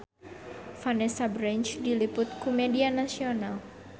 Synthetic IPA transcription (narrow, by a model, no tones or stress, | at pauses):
fanɛsabɾɛnt͡ʃdilipʊt̪̚kumɛdianasional